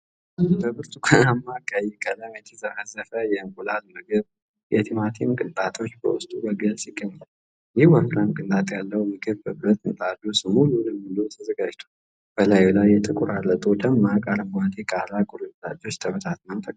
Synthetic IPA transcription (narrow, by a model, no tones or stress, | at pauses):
bəbɨɾt̪ʰukʰanamːakʼajɛkʼələmɛt̪ʰizəhazəfəjɛŋkʼulalmɨɡɨβ | jɛt̪ʰimat̪ʰimkʼɨnt̪ʼat̪ʰo̞t͡ʃːbə̰wʊst̪ʼubəɡəlsiɡːəɲːal | jɪhwəɾklamkʼɨnt̪ʼat̪ʼjalːəwmɨɡɨβbəbɨɾət̪ʼɨnt̪ʼad̪usɨmululəmːɨlujt̪ʰəzəɡad͡ʒt̪ʰo̥ | b̥əlajulajːɛt̪ʼɨkʼuɾalːət̪ʼud̪əmːakʼaɾɨmɡʷad̪ʰekʼalakʼʊɾula̰d͡ʒo̞t͡ʃːt̪ʰəβət̪ʰat̪ʰnəwt̪ʰəkʼ